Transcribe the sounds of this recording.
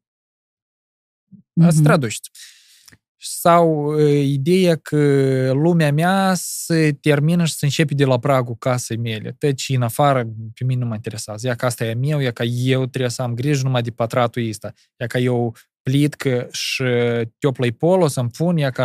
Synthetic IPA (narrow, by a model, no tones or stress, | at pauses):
ast̪ɾad̪uʃt̪ʲ | sawəid̪e̞jakʰəlumʲeameasət̪ʲe̞rminəʃi̥səɨnt͡ʃe̞pʲd̪ʲelapɾaɡukasejmʲe̞lʲḛt̪ət͡ʃɨnafaɾəpʲeminʲenumaint̪eɾʲesazjakast̪ajamʲewjakajewt̪ɾʲebsəamɡɾiʒnumad̪epat̪ɾat̪uist̪a | jakaje̞w | plit̪kəʃɨt̪ʲo̞pləjpo̞lo̞səmpunjaka